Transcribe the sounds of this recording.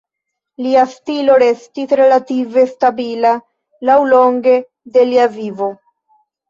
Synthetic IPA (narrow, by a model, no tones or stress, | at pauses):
liastilo̞ɾe̞stisɾe̞lative̞stabila | lawlo̞ŋɡe̞ | de̞liavivo̞